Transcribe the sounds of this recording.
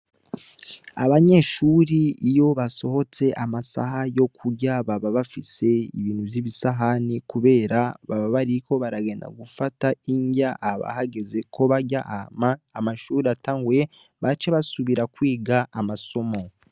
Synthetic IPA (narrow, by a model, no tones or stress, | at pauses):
aβaɲe̞ːʃuːɾiːjo̞βaso̞ho̞t͡se̞ʔamasa̰ɦajo̞kʰuɟaβaβaβafise̞ḭβiːnhuvjiβisaɦanikuβe̞ːɾaβaβaβaɾiko̞βaɾaɡe̞nda̰ɡufataiɲɡaʔːβa̰ɦaɡe̞ze̞kʰo̞βaɟaʔamaːmaʃuːɾiataːŋɡwe | βat͡ʃeβasuβiɾakwiːɡaamaso̞mo̞